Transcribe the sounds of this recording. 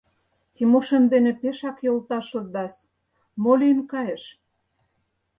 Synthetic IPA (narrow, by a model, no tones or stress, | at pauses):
t̪imoʃə̆nd̪enĕpeʃɑkjolt̪ɑʃozd̪ɑs | molʲinkɑjĕʃ